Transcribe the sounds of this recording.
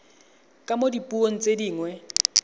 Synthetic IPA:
kʼamodipʼuoŋ̩t͡sʼediːŋwɛ

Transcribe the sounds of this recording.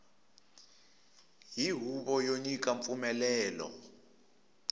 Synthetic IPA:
jiɦuɓɔjoɲik̬ʼaɱfumɛlɛːlɔ̰

